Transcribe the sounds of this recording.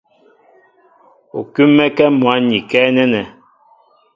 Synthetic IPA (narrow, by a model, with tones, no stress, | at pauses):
ṵ˨kʉ˦mɛ˦kɛ˦mwa˨˦ɲi˨kɛː˦nɛ˦nɛ˨